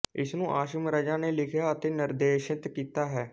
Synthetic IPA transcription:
ɪ̰snũːʔaːʃəmɾəd͡ʒaːneːlɪkʰjaːət̪eːnɪɾd̪eːʃɪt̪kiːt̪aːɦɛː

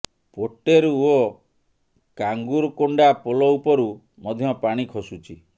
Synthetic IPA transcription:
poʈeɾuo | kaŋɡuɾɔkoɳɖapolɔupɔɾu | mɔd̪ʱjɔpaɽ̃ikʰɔsut͡ʃʰi

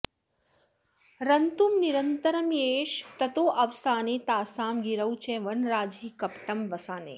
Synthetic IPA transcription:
ɾɐnt̪umniɾənt̪əɾəmjeːʃt̪ɐt̪oːʔɐʋsaːneːt̪aːsaːmɡiɾəwt͡ʃẽːʋəɳɾaːd͡ʒiːkɐpʈəmʋɐsaːnḛː

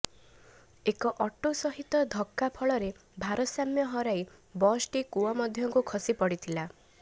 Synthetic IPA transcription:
ekɔʔɔʈosɔɦit̪ɔd̪ʱɔkːapʰɔɭɔɾebʱaɾɔsamjɔɦɔɾaj | bɔsʈikuɔmɔd̪ʱjɔŋkukʰɔsipɔɽit̪ʰila

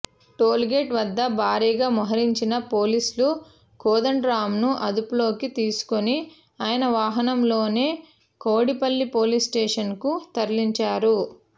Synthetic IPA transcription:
ʈoːlɡeʈʋɐd̪ːɐbʱaːɾiːɡaːmɐɦɐɾiɲt͡ʃinɐpoːlislu | koːd̪ɐɳɖɾaːmnuʔɐd̪upulo̞ːkit̪iːsu̥koni | aːjɐnɐʋaːɦɐnɐmlo̞ːne̞ː | koːɽipɐlːipo̞ːlisʈeːʂɐnkut̪ɐɾliɲt͡ʃaːɾu

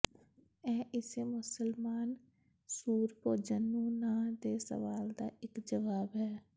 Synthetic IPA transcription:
ɛ̃ːʔɪsemʊsəlmaːn | suːɾpoːd͡ʒənːũːnãːd̪eːsə̰ʋaːld̪a̰ːʔɪkd͡ʒəʋaːbɦɛː

